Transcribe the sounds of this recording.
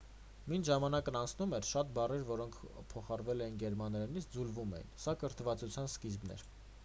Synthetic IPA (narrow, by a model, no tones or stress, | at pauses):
minʒɑmɑnɑkənɑnt͡sʰnumɛɾʃɑt̪̚bɑrɛɾvɔɾɔŋkʰpʰɔχɑɾvɛlɛjinɡɛɾmɑnɾɛnit͡sʰd͡zulvumɛ̰jḭnsɑkəɾt̪ʰəvɑt͡sut͡sʰjɑnskizbnɛ̰ɾ